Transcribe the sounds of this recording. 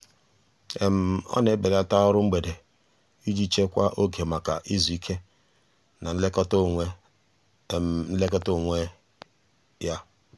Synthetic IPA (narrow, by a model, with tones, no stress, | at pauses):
e˨m̩˨ɔ̰˦ne˨˦be˨ɾa˦ta˦ɔ˦ɾʊ˦ŋ͡m̩˦ɡ͡be˨de˨ | i˦d͡ʒi˦t͡ʃe˦kʷa˦ʔo˦ɡe˨ma˨ka˨ʔi˦zu˨i˦kʰe˦ | na˨n̩˦le˦k | n̩˦le˦kɔ˦to˦˨ŋʷe˦ | ja˦